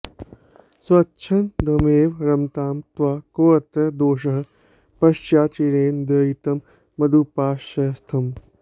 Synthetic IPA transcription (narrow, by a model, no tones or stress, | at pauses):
swɐtːt͡ʃʰɐnd̪ʱɐmeːʋɾɐmt̪aːmt̪ʋaːkoːɐt̪ɐd̪oːʃɐɦɐ̆ | pɐʃt͡ʃjaːt͡ʃiɾeːnd̪ɐːjit̪ɐmː | ɐd̪upaːʃɐst̪ʰɐm